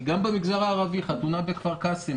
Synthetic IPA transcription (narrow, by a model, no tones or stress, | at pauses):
ɡambemiɡzaʁaːʁaviχat̪unabe̞kvaʁkasi